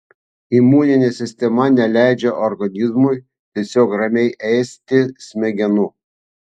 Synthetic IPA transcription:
imuːnʲɪnʲesʲɪsʲt̪ʲɛmɐnʲɛlʲæˑɪd͡ʒʲɛʔɔɾɡɐnʲɪzmʊj | t̪ʲɛsʲoːkɾɐmʲɛɪʔɛɪsʲt̪ʲɪsʲmʲɛɡʲɛnʊ

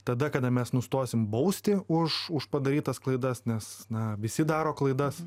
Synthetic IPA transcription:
t̪ɐd̪ɐkɐd̪ɐmʲɛsnʊst̪oːsʲɪmbɐʊsʲt̪ʲɪʊʃʊʃpɐd̪ɐɾʲiːt̪ɐsklˠɐɪd̪ɐsnʲɛsnɐʋʲɪsʲɪd̪ɑːɾoːklˠɐɪd̪ɐs

